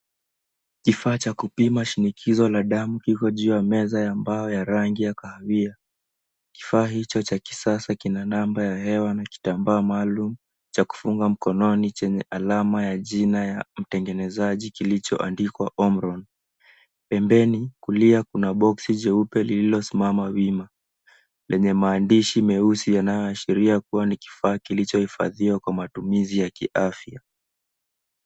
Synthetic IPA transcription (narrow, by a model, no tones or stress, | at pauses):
kifaːt͡ʃakupimaʃinikʰizɔlaɗamukikɔʄuamɛzajambaɔjaɾaŋɡijakahawia | ki̥faːɦit͡ʃɔt͡ʃaki̥sasakinanambajaɦɛwanaki̥tambaːmaːlumu | t͡ʃaku̥fuŋɡam̩kɔnɔnit͡ʃɛɲɛʔalamajaʄinajam̩tɛŋɡɛnɛzaʄikilit͡ʃɔ̰ʔandikwaʔɔmɾɔn | pɛmbɛnikuliakunaɓɔksid͡ʒɛupɛlililɔsimamawima | lʔɛɲɛmaːndiʃimɛusijanajɔaʃiɾiakuwaniki̥faːkilit͡ʃɔhifa̰ðiwakwamatumizijakiʔafja